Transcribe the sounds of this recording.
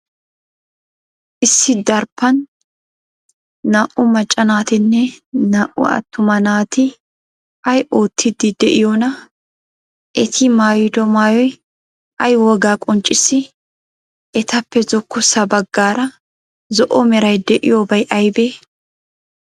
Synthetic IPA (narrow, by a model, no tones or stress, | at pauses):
ʔɪsːɪd̪ɐɾpːɐn | aːʔʊmɐt͡ʃʼːɐnaːt̪ɪnːɛnaːʔʊ̰ɐ̰t̪ːʊmɐnaːt̪ɪ | ɐjʔoːt̪ʰːɪd̪ːɪd̪ɛʔɪjoːnɐ | ʔɛt̪ʰɪmaːjɪd̪ɔmaːjɔj | ʔɐjwɔɡaːkʼɔnt͡ʃʼːɪsːɪ | ʔɛt̪ɐpːɛzɔkːʊsɐbɐɡːaːɾɐ | zɔʔɔmɛɾɐjd̪ɛʔɪ̰joːbɐjʔɐjbeː